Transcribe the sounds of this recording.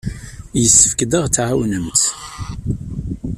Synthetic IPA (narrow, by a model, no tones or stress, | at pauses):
jəsːə̥fkd̪əʁt͡sːʕawnəmt̪